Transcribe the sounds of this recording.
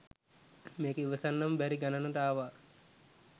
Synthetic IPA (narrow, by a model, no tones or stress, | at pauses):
meːkeuʋɐsanːɐmbæɾiɡɐnɐnuʈaːʋaː